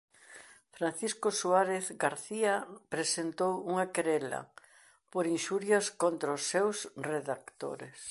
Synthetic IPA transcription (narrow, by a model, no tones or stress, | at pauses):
fɾan̟θiskosuaɾeθɡaɾθiapɾesent̪owuŋakeɾɛlɐ̰ | poɾinʃuɾjɐskont̪ɾaʊsːewsreðakt̪o̰ɾes